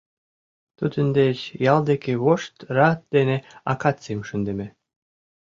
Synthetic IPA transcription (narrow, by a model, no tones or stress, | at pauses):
t̪ud̪ə̆nd̪et͡ɕjɑlˠd̪ekeβoʃt̪rɑt̪̚d̪̥enʲeɑ̰kɑt̪semʃə̆nd̪ĕmʲe